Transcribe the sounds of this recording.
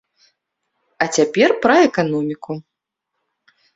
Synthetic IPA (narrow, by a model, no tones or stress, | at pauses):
ɐt͡sʲapʲɛrpɾɐɛkanɔmʲiku